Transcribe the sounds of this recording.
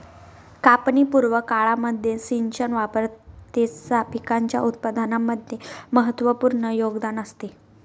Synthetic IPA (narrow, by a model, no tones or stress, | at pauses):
kapnipuɾʋəkaɭaməd̪ʱjesiɲt͡ɕənʋapəɾt̪esapikaɲt͡ɕja̰ʔut̪̚pəd̪ʱanamːəd̪ʱjeməɦət̪ʋəpuɾɳəjoɡd̪anəst̪e